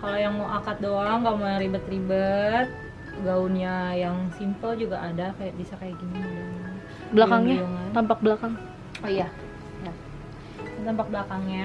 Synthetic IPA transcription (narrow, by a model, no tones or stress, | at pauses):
kalojaŋmoʔakat̪̚doaŋɡamojaŋɾibət̪ːɾibət̪̚ | ɡaunjajaŋsimpəld͡ʒuɡaʔːdakajaʔbisakajaʔɡinidaŋa | bəlakaŋɲaaŋant̪ampak̚blakaŋ | oja | ja | at̪ampak̚bəlakaŋɲa